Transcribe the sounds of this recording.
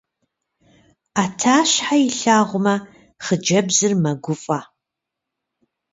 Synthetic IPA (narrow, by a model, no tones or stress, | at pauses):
aːtʰaːɕħajɪɬaːʁʷʊmɐ | χəd͡ʒɐbzɨrmɐɡʷʊfʼa